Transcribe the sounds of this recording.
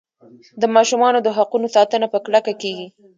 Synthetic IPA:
d̪əmɑʃumɑnod̪əɦaqunosɑt̪ənapəklakakeɡi

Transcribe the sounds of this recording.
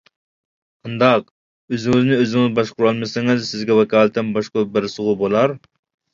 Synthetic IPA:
ɑnd̪ɑq̚ | øzɪŋɪznɪøzɪŋɪzbɑʃqʊɾɑlˠmɨsɪŋɪzsɪzɡʲɛwɛkʰɑːlˠɨt̪ɪnbɑʃqɑbɪɾsəʁʊbolˠɑɾ

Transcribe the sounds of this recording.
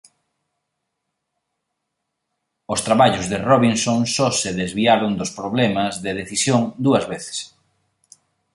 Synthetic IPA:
ʊst̪ɾaβaʎʊzðeroβinsoŋsɔseðezβiaɾʊnd̪ospɾoβlɛmɐzðɪð̞eθisjoŋd̪uɐzβeθe̥s

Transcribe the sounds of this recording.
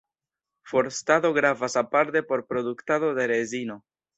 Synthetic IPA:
fo̞ɾst̪aðo̞ɡɾavasapaɾt̪e̞po̞ɾpɾo̞d̪ukt̪aðo̞deɾezino̞

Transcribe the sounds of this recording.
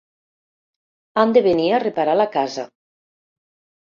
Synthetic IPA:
and̪eβeniarepaɾalakaza

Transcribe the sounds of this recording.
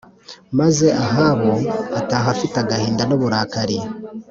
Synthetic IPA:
maze̞ʔaɦaβo̞ataːɦafitaɡahiːndanoβuɾaːkaɾi

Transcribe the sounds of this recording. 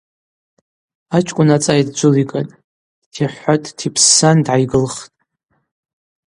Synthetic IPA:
at͡ʃʰʼkʷʼʊnat͡sʼajdd͡ʒʷʊlikʼan | tʰiħʷatʼtʰipʰsːandʕajɡɨlχtʼ

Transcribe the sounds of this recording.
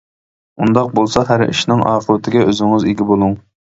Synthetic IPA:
und̪ɑq̚bolˠsɑɦæɾḭʃnɪŋɑːχəɾɪt̪ʰɪɡʲɛʔøzɪŋɪzeɡʲibolˠuŋ

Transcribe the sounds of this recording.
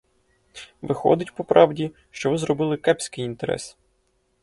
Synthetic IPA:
ʋɪxɔ̰d̪ɪtʲpɔpɾʔɑwdʲi | ʃt͡ʃɔʋɪzrɔbɪlˠɪkɛpʲsʲkɪjint̪eɾɛ̰s

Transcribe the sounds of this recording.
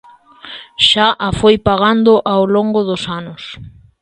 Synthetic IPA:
ʃaʔafojpaɣand̪ʊʔawloŋɡʊðʊsanʊs

